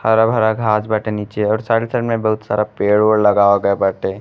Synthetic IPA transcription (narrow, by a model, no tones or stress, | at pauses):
həɾabʱəɾaɡʱaːd͡ʒbaʈeniːt͡ʃeɔːɾsaɽisəʈmẽbəɦʊt̪saːɾapeɽoɽləɡaːaɡəebaːʈe